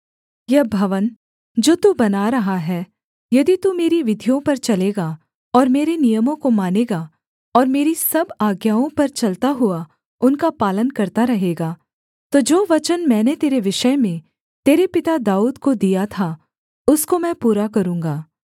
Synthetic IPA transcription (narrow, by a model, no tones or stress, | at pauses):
jɐbʱɐʋən | d͡ʒoːt̪ubɐnaɾɐɦaɦɛː | jɐd̪it̪umeːɾiʋɪd̪ʱijõpɐɾt͡ʃɐleːɡa | ɔːɾmeːɾenijəmõkomaːneːɡa | ɔːɾmeːɾisɐbaːɡjaːõpɐɾt͡ʃɐlt̪aɦʊa | ʊnkapaːlənkɐɾt̪aɾɐɦeːɡaː | t̪od͡ʒoːʋɐt͡ʃənmɛ̃ːnet̪eːɾeʋɪʃəmẽ | t̪eːɾepɪt̪ad̪aːuːd̪kod̪ijat̪ʰa | ʊskomɛ̃ːpuːɾakɐɾũːŋɡaː